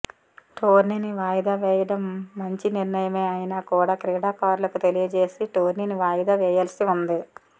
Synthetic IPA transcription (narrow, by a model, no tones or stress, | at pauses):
ʈoːɾniniʋaːjɐd̪aʋɛːjɐɽɐmːɐɲt͡ʃiniɾnɐjɐmeːɐjinaːkuːɽaːkɾiːɽaːkaːɾulɐkut̪elijɐd͡ʒe̞ːsiʈoːɾniːniʋaːjɐd̪aʋɛːjaːlɐsiund̪i